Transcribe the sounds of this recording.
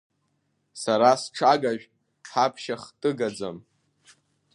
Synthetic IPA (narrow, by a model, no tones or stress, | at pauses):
saɾasʈ͡ʂʰaɡaʒᶣ | ħapʰʃaχtʼɨɡad͡za̰m